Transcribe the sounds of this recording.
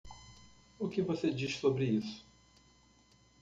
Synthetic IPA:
ʊkɪvosed͡ʒiʃsobɾɪisʊ̥

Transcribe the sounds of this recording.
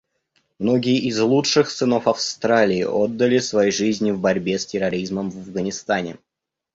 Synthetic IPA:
mno̞ɡʲɪjəʔɪzlˠutʂɨxsɨno̞fɐfst̪ɾalʲɪ̰ːʔod̪ːəlʲɪsvɐjejʐɨzʲnʲɪvbɐɾʲbʲe̞stʲɪɾɐɾʲizməmvɐvɡənʲɪst̪anʲɪ̰

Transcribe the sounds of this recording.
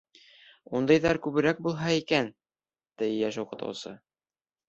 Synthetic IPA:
und̪ɤjðæɾkʉβɘ̆ɾæk̚bulˠɦɑikæn | d̪ɘjæʃuqɤ̆t̪ɤ̰wsɤ̰

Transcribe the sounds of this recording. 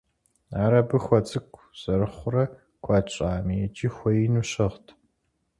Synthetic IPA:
aːɾɐbɨxʷɐt͡sʼɨkʷʰʼz̥ɐɾɨχʷʊrɐ | kʷʰɑt͡ʃʼaːmijɛt͡ʃʼiːxʷɔjinuːɕɐʁtʰ

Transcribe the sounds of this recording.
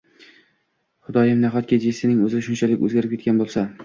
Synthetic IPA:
χʊd̪ɒjɪmnaɦɒt̪̚kʲad͡ʒesɪnɪŋɵzɾɪʃʊnt͡ʃʰalɪkʲɵ̰zɡʲaɾɪpkʲet̪̚ʲanbolˠsa

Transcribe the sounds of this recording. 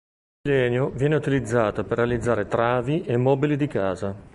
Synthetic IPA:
ilɛːnjovjɛːneut̪ilid̪zːaːt̪operːealid̪zːaːɾet̪ɾaːviʔemːɔːbilid̪ikaːza

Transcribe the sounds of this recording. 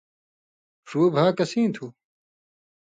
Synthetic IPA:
ʂuːbʱaːkɐsĩːt̪ʰu

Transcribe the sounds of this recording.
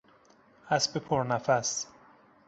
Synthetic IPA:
æsbepʰoɾnæfæs

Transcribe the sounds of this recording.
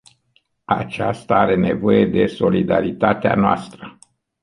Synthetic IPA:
at͡ʃast̪aaɾe̞ne̞vo̞je̞d̪e̞so̞lid̪aɾit̪at̪ea̰noa̰st̪ɾə

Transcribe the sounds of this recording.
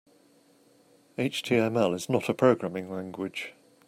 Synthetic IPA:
eɪt͡ʃtʰiːɛ̃mɛlɪznətʰəpʰɹ̥əʊɡɹamɪ̃ŋlãŋɡwɪd̥ʒ̥

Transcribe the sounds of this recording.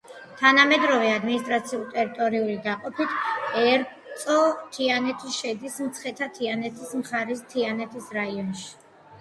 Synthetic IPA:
t̪ʰanamɛd̪ɾɔvɛad̪minist̪ʼɾat̪sʰiulˠt̪ʼɛɾit̪ʼɔɾiulid̪aqʼɔpʰit̪ʰɛɾ | t̪sʼɔt̪ʰianɛt̪ʰiʃɛd̪ismt̪sʰχɛt̪ʰat̪ʰianɛt̪ʰismχaɾist̪ʰianɛt̪ʰisɾaiɔnʃi̥

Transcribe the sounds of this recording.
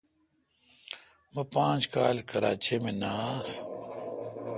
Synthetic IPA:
mɐpãːt͡ɕkaːlkɐɾa̰ːt͡ɕemẽnaːs

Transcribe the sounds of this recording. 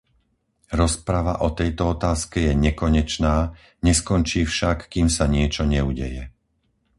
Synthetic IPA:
ɾɔspɾaʋaʔɔt̪ɛjt̪ɔɔt̪aːskɛjɛɲɛkɔɲɛt͡ʃnaː | ɲɛskɔnt͡ʃiːfʃakːiːmsaɲɪɛt͡ʃɔɲɛuɟɛ̰jɛ

